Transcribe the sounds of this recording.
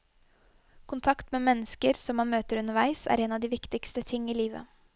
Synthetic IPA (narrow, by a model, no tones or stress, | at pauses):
kʰʊnt̪ʰɑkt̪meːmɛnːəskəɾsɔmːɑnmøːt̪əɾʉnəɾʋæɪsæ̰ːɾeːnɑʋd̪iːʋɪkt̪ɪkst̪ət̪ʰɪŋːiːliːʋə̰